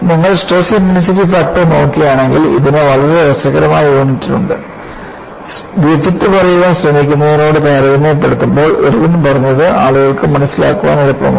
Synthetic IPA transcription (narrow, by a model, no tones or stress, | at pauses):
nɐŋːɐɭsʈeːsimjinis̬itːifak̚ʈːɨno̞ːkːijaːɳe̞ŋɡilḭðinɨʋɐɭɐɾeʋɐsɐɣɐɾɐmaːjiʋoːɳːitːi̥ʈːuɳɖɨ | ɡefɐt̪ːɨpɐrɐjuɣaːɕrɐmikʲːunːɐðɐno̞ːɽɨt̪ɐjɾɐʋinːepːe̞ɽut̪ːumbo̞ːɭo̰ɾuʋinmpɐrɐɲːɐðɨʔaːɭuɣɐɭkɨmɐnɐsːila̰ːkːuʋa̰ːnɐɾɐpːɐ̰m